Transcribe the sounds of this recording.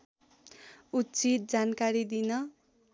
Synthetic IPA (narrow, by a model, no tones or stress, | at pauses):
utːt͡sit̪̚d͡zankaɾid̪inʌ